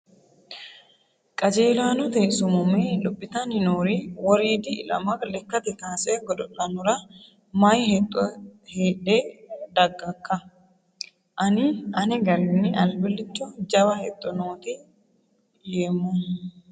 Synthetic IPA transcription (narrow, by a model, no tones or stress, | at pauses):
kʼɐd͡ʒeːlaːnɔt̪ɛsʊmʊmelʊpʼːɪt̪ɐnɪnoːɾiwɔɾiːd̪ɪlɐ̰mɐklɛkːɐt̪ɛk̪aːsɛɡɔd̪ɔʔɐnʊɾɐ | mɐjhɛt̪ʼːɔheːᶑeːd̪ɐɡːɐkːɐ | ʔɐnɪʔɐnɛɡɐɾɪnːɪʔɐlbɪlːɪt͡ʃːɔd͡ʒɐbɐhɛt̪ʼːɔnoːt̪ɪ | jeːmːɔ